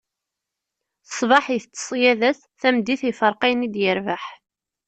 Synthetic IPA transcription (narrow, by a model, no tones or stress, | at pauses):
ə̥sˤvɑħəθt͡s̪ːə̥sˤjæðæs | θæmd̪ːiθifəɾˤqæjnid̪jəɾvaħ